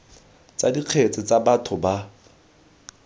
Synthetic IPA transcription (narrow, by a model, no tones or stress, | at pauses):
t͡sadiq͡χʰet͡sʼɪt͡sabatʰʊba